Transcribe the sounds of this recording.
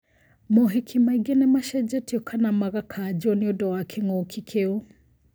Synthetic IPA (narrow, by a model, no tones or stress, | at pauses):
mɔɦekʰimaiɡenɛmaʃɛd͡ʒɛtʰiɔkʰanamaɣakʰad͡ʒɔniodɔwakʰɛŋɔkʰikʰeo